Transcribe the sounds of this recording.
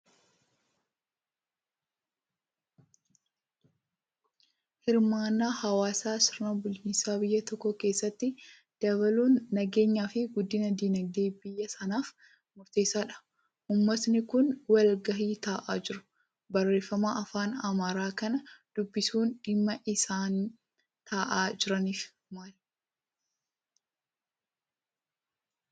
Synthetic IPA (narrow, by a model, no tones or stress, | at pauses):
hɪɾmaːnːaːhɐwaːsaːsɪɾnɐbʊlt͡ʃɪnsaːbɪjːɐt̪ɔkːɔke̞ːsːɐt̪ːɪ | d̪̥ɐbɐluːnːɐɡe̞ːɲːaːfɪɡʊd̪ːɪnɐd̪iːnɐɡ̚d̪eːbɪjːɐsɐnaːf | mʊɾt̪e̞ːsaːᶑɐ̥ | ʔʊmːɐsnɪkʊnwɐlɡɐɦiːt̪aːʔa̰ːd͡ʒɪɾʊ̥ | bɐrːe̞ːfːɐmaːʔɐfaːnɐmaːɾaːkɐnɐd̪̥ʊbːɪsuːnᶑɪmːɐʔɪsaːn | t̪ʰaːʔaːd͡ʒɪɾɐniːf | maːl